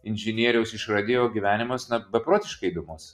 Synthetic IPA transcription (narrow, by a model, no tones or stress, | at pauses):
ɪnʲʒʲɪnʲiɛɾʲɛʊsɪʃɾɐd̪ʲeːjoːɡʲiʋʲæːnʲɪmɐsnɐbʲɛpɾoːt̪ʲɪʃkɐɪbʲɪmʊs